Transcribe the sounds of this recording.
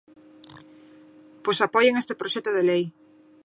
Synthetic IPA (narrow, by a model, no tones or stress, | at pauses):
pojsapɔjeŋest̪ɪpɾoʃɛt̪oðelej